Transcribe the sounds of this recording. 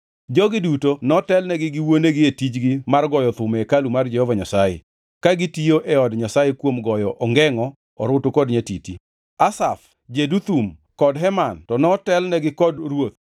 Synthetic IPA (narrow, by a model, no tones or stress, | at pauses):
d͡ʒɔɡɪdutonɔtɛlnɛɡɪɡɪwoneɡɪetit͡ʃɡɪmarɡɔjɔt̪ʊmɛkalumard͡ʒɛhɔvaɲasajḛ | kaɡitioʔɛɔdɲasajekwomɡɔjɔʔɔŋɡɛŋɔ | ɔɾʊtokɔdɲetiti | asaf | d͡ʒedut̪um | kɔdɦɛmantɔnɔtɛlnɛɡɪkɔdrwot̪